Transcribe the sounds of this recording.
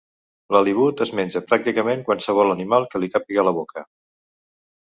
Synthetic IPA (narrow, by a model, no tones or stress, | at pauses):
ləliβ̞ut̪əzmenʲd͡ʒəpɾak̚t̪ikəmeŋkwansəβɔlənimalˠkəlikapiɣələβokə